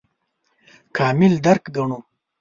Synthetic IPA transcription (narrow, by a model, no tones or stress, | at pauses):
kʰaːmɪld̪aɾkɡɐɳu